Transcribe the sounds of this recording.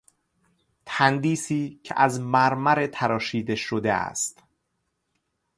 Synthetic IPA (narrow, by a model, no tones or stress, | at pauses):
t̪ʰænd̪iːsiːcʰḛʔæzmæɾmæɾet̪ʰæɾɒːʃiːd̪e̞ʃod̪eæ̰st̪